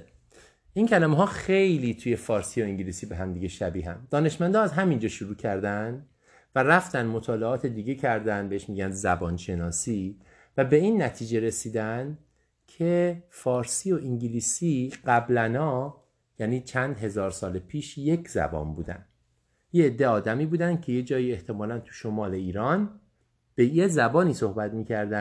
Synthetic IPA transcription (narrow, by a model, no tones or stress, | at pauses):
incʰælæmeɦɒːxe̞jliːt̪ʰuːje̞fɒːɾsiːo̞iŋɟiliːsiːbe̞ɦæmd̪iːɟe̞ʃæbiːɦæ̰nd̪ɒːne̞ʃmænd̪ɒːæzɦæmind͡ʒɒːʃuɾuːcʰæɾd̪ænd̪ | væræft̪ænd̪mo̞t̪ʰɒːle̞ɒːt̪ʰed̪iːɟe̞cʰæɾd̪ænd̪beeʃmiːɟænd̪zæbɒːnʃe̞nɒːsiː | væbe̞inːæt̪ʰiːd͡ʒe̞ɾesiːd̪ænd̪ | cʰe̞fɒːɾsiːo̞ʔiŋɟiliːsiːɢæblænɒː | jæniːt͡ʃʰænd̪ɦe̞zɒːɾsɒːlepʰiːʃje̞cʰzæ̰bɒ̰ːnbṵːd̪æ̰nd̪ | jeed̪ːe̞ɒːd̪æmiːbuːd̪ænd̪̥̚cʰe̞jed͡ʒɒːjie̞ht̪ʰe̞mɒːlænt̪ʰu̥ʃomɒːle̞iːɾɒːn | b̥e̞jezæbɒːniːso̞hbæt̪miːcʰæɾd̪æ